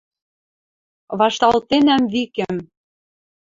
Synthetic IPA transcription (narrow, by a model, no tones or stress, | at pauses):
βɑʃt̪ɑlt̪enæmβikɘ̆m